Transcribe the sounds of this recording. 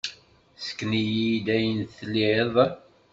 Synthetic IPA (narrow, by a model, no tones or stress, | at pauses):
sə̥kːnijid̪æjənθlːieðˤ